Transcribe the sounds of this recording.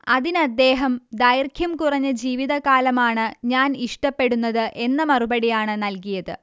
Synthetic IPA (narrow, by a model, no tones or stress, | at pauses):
ɐðinɐd̪ːe̞ːɦɐmd̪ɐjrkʰjɐmkurɐɲːɐd͡ʑiːʋiðɐkaːlɐmaːɳɨɲaːniʂʈɐpːe̞ɽunːɐðɨʔe̞nːɐmɐrubɐɽijaːɳɨnɐlkijɐðɨ